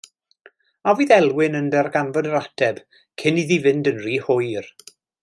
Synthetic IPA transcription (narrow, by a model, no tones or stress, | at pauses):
aviːðɛlˠwɪnəndɛrɡanvɔdəɾatʰɛb̥ | kʰɪniðivɪndənriːhʊjr